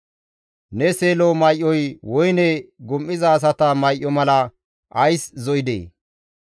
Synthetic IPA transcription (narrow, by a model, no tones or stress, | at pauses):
nɛseːlomɐjʔːɔjwɔjnɛɡʊmʔɪzɐːs̬ɐt̪ɐmɐjʔːɔmɐlɐ | ʔɐjszɔjɪd̪ḛː